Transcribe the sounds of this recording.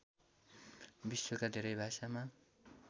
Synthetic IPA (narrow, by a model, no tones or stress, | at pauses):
bisːokad̪ʱeɾʌjbʱasama